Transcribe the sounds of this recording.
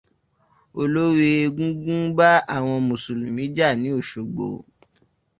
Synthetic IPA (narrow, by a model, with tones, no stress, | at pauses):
o˧lo˦ɾi˦e˧ɡũ˦ɡũ˦ɡ͡ba˦a˦˨w̃ɔ̃˧mũ˨su˨lũ˨mĩ˨˦d͡ʒa˦˨nĩ˨˦o˦˨ʃo˨ɡ͡bo̰˨